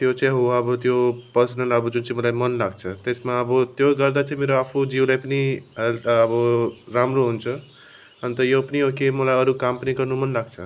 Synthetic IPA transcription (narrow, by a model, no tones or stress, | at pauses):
t̪jot͡sãĩɦoaʌbʌt̪jopʌrsʌnʌlʌbʌd͡zunt͡saĩmʌlajmʌnlaɡt͡sʰʌt̪esmaʌbʌt̪joɡʌrd̪at͡saĩmeɾoapʰud͡ziwlajpʌniɦelt̪ʌbʌɾamroɦunt͡sʰʌ | ʌnt̪ʌjopʌniokemʌlajʌɾukampʌniɡʌrnumʌnlaɡt͡sʰʌ